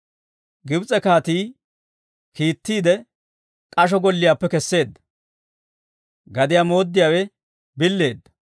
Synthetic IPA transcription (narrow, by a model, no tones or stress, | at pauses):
ɡɪbt͡sʼɛkaːt̪iː | kiːt̪ːiːd̪ɛ | kʼɐʃ̬ɔɡɔlːɪjaːpːɛkɛsːe̞ːd̪ːɐ̥ | ɡɐd̪ɪjaːmo̞ːd̪ːɪjaːwɛ | bɪlːe̞ːd̪ːɐ̥